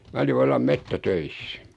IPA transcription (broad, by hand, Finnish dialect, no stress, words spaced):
mæ oli ʋɑlːɑm metːætøisːæ̥